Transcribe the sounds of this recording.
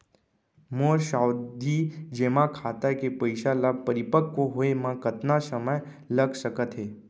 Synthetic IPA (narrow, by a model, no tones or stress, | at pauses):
moʃawd̪ʱid͡ʒemãkʰat̪aekepəjʃalapəɾipəkːoɦoemãkət̪nasəməj | ləɡsəkət̪ɦe